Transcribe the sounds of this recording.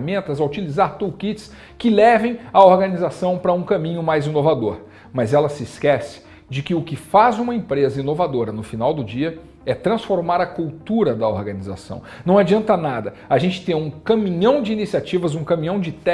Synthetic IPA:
mẽnt̪ɐzɐʊt͡ʃilizaɾt̪uwkit͡ʃɪ̥s | kɪlɛvẽj̃ɐoɾɡɐnizasɐ̃w̃pɾɐũkɐ̃mĩɲʊmajzinovad̪oɾ | mɐzɛlɐsɪskɛsɪ̥ | d͡ʒɪkɪʊkɪfazũmɐẽmpɾezɐinovad̪oɾɐnʊfinawd̪ʊd͡ʒiɐ | ɛt̪ɾɐ̃sfoɾmaɾɐkuwt̪uɾɐd̪ɐoɾɡɐniza̰sɐ̰̃w̃nɐ̃w̃ad͡ʒiɐ̃nt̪ɐnad̪ɐ | aʒẽnt͡ʃɪ̥t̪ẽj̃ũkɐ̃mĩɲɐ̃w̃d͡ʒɪiːnisiat͡ʃivɐzũkɐ̃mĩɲɐ̃w̃d͡ʒɪt̪ɛ

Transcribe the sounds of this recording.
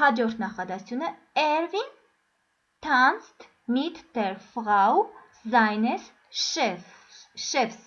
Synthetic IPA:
hɑd͡ʒɔɾt̪ʰnɑχɑd̪ɑ̥t͡sʰjunə | ɛɾvin | t̪ʰɑnst̪ʰ | nit̪ʰd̪ɛɾfʁɑw | zɑjnɛs | ʃɛfs

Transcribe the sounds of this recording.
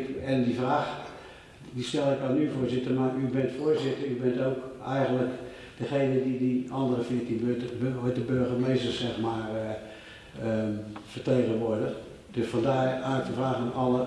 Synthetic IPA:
kɛndifraːx | distɛlˠɪkanyfʊːzɪtəmaybɪntfoːəzɪtərybɪntowkɛjɣənlək | d̥əxejnədidiɔndərəfɪətinbøtəojtəbøɹχəmeːstərsɛxmaːə | əfərteːɣənʋʊədəx | d̥øsfɔndaːaːɪk̚təfraːxanɔlˠə

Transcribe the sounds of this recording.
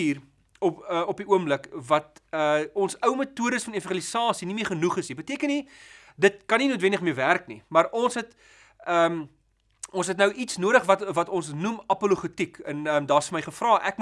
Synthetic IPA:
iːr | ɔəɔpiʔuəmbləkvɐt̚əɔnsəwmətuəɾəsfɐnefəχilisɑːsinimiərχənuχəsnibətiəkəni | dətkɐninuətvɛndəχmiəværknḭmɐrɔnsɦɛt | əːm | ʔɔnsɦɛtnəwʔitsnuəɾəχvɐtvɐtɔnsnumɐpoluχətikənəmdɑːsfəməjχəfrɑːʔækm

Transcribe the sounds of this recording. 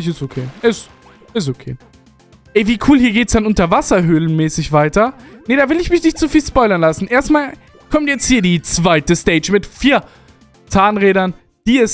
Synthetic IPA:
ɪçɪstokʰeːʔɛs | ɛs̬okʰeː | ʔɛviːkʰuːlhiːɐɡeːtsd̥anʔʊntɐvasɐɦʏːlənmɛːsɪçv̥aɪtɐnədaːvɪlɪçmɪçnɪçtt͡sufiːlspɔʏlɐnlasn̩ʔeːɐstmaːl | kʰɔmtjɛt͡sthiːɐdiːt͡sv̥aɪtəstɛːd͡ʒmɪtfiːɐ | t͡saːnʁeːɾɐn | d̥iːɛs

